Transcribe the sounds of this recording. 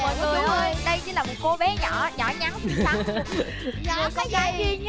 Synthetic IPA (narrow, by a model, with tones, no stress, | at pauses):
mɔ̰ː˧˨jŋɨ˨˩əjʔo˧jɗə˧jt͡ɕḭ˧˥˦laː˨˩mo˨˩t̚ko˧˦ɓɛ˨˦ɲɔ̰˧˩˨ɲɔ̰˧˩ɲa˨˦na˨˦˨ | mɨ˨˩kɔ˨˦a˧˦ki˧ɲ˦